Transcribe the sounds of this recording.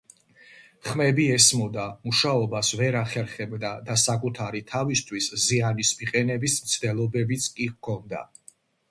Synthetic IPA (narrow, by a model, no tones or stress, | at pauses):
χmɛbiɛsmɔd̪amuʃaɔbasvɛɾaχɛɾχɛbd̪ad̪asakʼut̪ʰaɾit̪ʰavist̪ʰwiszianismiqʼɛnɛbismt̪sʰd̪ɛlˠɔbɛbit̪sʰkʼikʰɔnd̪a̰